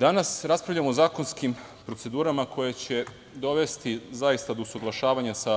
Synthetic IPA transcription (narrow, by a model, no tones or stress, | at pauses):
d̪anasɾaspɾavʎamoːzaːko̞nskim | pɾo̞tse̞d̪uːɾamakʰo̞jet͡ɕe̞ | d̪o̞ʋe̞st̪izajist̪ad̪osuɡlˠaʃaːʋaɲasa